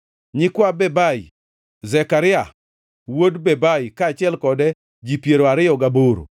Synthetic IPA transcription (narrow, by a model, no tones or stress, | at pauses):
ɲɪkwabɛbaji | zɛkaɾɪa | wodbebajkaːt͡ʃɪɛlkɔdɛ | d͡ʒipjeɾoaɾɪjɔɡaboɾo̰